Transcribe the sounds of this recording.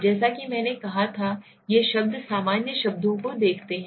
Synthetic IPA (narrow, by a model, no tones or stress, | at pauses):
d͡ʒɛːsakimɛ̃ːnekɐɦat̪ʰa | jeʃɐb̚d̪saːmaːnjəʃɐbd̪õkod̪eːkʰt̪eɦɛ̃